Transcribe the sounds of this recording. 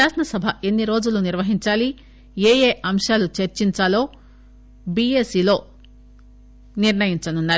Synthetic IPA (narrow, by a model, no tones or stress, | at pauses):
aːʂɐnɐsɐbʱɐʔe̞nːiɾo̞ːd͡ʒuluniɾʋɐɦiɲt͡ʃaːli | eːjeːʔɐmʂaːlut͡ʃeɾt͡ʃiɲt͡ʃaːlo̞ː | biːe̞siːlo̞ː | niɾɳɐjiɲt͡ʃɐnunːaːɾ